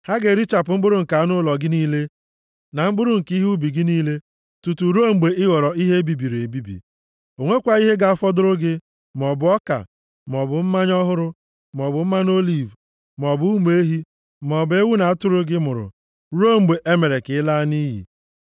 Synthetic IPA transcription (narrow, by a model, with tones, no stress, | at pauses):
ha˦ɡe˨ɾi˦t͡ʃa˨p̬ʊ˨m̩˦bʊ˦ɾʊ˦ŋ̩˨ka˨˦nʊ˦˨lɔ˨ɡɪ˦niː˦le˦ | na˨m̩˦bʊ˦ɾʊ˦˨ŋ̩˨ki˦ɦu˦bi˨ɡɪ˦niː˦le˦ | tu˨tu˨ɾu˦o˦ŋ͡m̩˨ɡ͡be˨ɪ˦ɣɔ˨ɾɔ˨i˦ɦe˦bi˨bi˨ɾe˨bi˦bḭ˨ | o˨ŋʷe˦kʷa˨i˦ɦe˦ɡa˨a˦fɔ˦dʊ˦ɾʊ˦ɡɪ˦ | m˨ɔ˨bʊ˨˦ɔ˦ka̰˨ | m˨ɔ˨bʊ˨m̩˦ma˦ɲɔ˦ɦʊ˦ɾʊ˦ | m˨ɔ˨bʊ˨m̩˦ma˦n˦o˦li˨v | m˨ɔ˨bʊ˨˦u˦m˨˦e˦ɦi˦ | m˨ɔ˨be˦wu˦na˨a˦tʊ˦ɾʊ˦ɡɪ˦mʊ˨ɾʊ̰˨ | ɾo˦ŋ͡m̩˨ɡ͡be˨ʔe˦me˨ɾe˨kɪ˨ɪ˦la˦ni˦ɦḭ˨